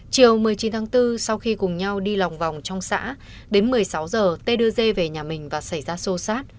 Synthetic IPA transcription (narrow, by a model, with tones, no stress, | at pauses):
t͡ɕi˨˩əwmɨ˨˩əjt͡ɕi˨˦nt̪ʰaː˨˦ŋt̪ɨ˧sa˧wxi˧kʊ˨˩ŋ͡mɲa˧wɗi˧la˨˩wŋ͡mva˨˩wŋ͡mt͡ɕɔ˧wŋ͡msa̰ː˧˥ | ɗe˨˦nmɨ˨˩əjsa˨˦wzəː˨˩t̪e˧ɗɨ˧əze˧ve˨˩ɲaː˨˩mï˨˩ŋ̟vaː˨˩sa˧˩jzaː˧so˧saː˦˥t̚